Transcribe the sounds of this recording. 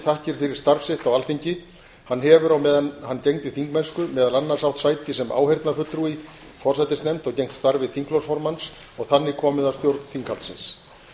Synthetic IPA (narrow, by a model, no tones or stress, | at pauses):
θahcɪɾ̥fɪɾɪɾ̥st̪aɾfsɪht̪awalθiɲcɪ | hanːɦɛvʏɾawmɛhanːcejŋt̪ɪθiŋkmɛnskʏmɛːðalanːaɾ̥sawht̪sajt̪ɪsɛmʔa̰ːwhejɾt̪nafʏt̪ːɾui | fɔɾ̥rsajt̪ɪst̪nɛmt̪ɔɣcejŋ̥t̪st̪aɾvɪðθiŋklɔwsfɔɾmans | ɔɣθanːɪkʰɔːmɪðast̪jowɾt̪n̥θiŋkhalsɪ̰ns